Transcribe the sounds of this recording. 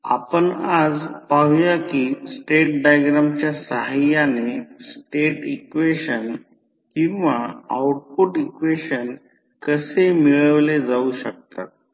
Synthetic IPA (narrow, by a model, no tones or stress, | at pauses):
a̰pəɳad͡zpaɦjakisʈeʈ̚ɖajɡɾamt͡ɕjasəɦajanesʈeʈikʋeɕən | kĩw̃ʋaawʈ̚puʈikʋeɕən | kəsemiɭəʋled͡zauɕək̚t̪a̰t̪̚